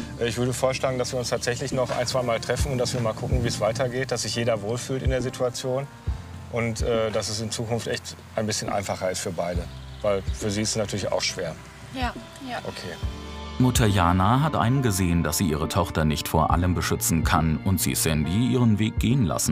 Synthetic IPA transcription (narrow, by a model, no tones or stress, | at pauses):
ʔɛːɪçv̥ʏɐɾəfoːɐʃlaːɡŋ̩dasv̥iːɐʊnstʰaːtz̥ɛçlɪçnɔχʔa̰ɪnt͡sv̥aɪmaːltʁ̥ɛfn̩ʊnt̚d̥asviːɐmaːlkʰʊkŋ̩viːsv̥aɪtʰɐɡeːt̚d̥asz̥ɪçjeːdɐvoːlfyːltɪndeːɐzitʰuat͡sjoːn | ʔʊntʔɛːd̥asɛsɪnt͡suːkʊnftʔɛçt | ʔaɪnbɪsçənʔa̰ɪnfaχɐɪstfyːɐbaɪdəvaɪlfyːɐziːɪstəsnatʰyːɐlɪça̰ʊxʃv̥eːɐ | ʔokʰeːmʊtʰɐjaːnaɦatʔa̰ɪnənɡəzeːəndasz̥iːʔiːʁ̞ətʰɔχtɐnɪçtfoːɐʔa̰ləmbəʃʏt͡sn̩kʰanʊntz̥ḭsɛndiʔiːʁənveːk̚ɡ̥eːənla̰sn̩